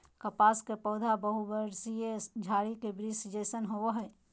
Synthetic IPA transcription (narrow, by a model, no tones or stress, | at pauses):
kəpaːskepɔːd̪ʱabəɦubəɾsijed͡ʒʱaːɾikebɾisd͡ʒesənɦoɦɛ